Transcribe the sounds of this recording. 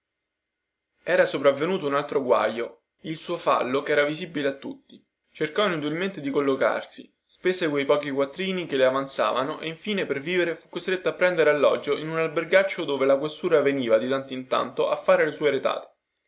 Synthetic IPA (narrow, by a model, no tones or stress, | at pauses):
ɛːɾasopɾavːenuːt̪ounalt̪ɾoɡwa̰jo | ilsuːofa̰lːokɛːɾavizibileat̪ːut̪ːi | t͡ʃerkɔinut̪̬ilment̪ed̪ikolːoka̰rsi | speːsekwejpɔːk̟ikwat̪ːɾiːnikeleavant̪sa̰ːvanoʔeiɱfiːneperviːveɾefukːost̪ɾet̪ːapːɾɛnd̪eɾealːɔ̰d͡ʒoʔinunalberɡat͡ʃːod̪oːvelakwest̪uːɾaveniːvad̪it̪ant̪oint̪a̰nt̪oʔafːaːɾelesuːeɾet̪a̰ːt̪e̥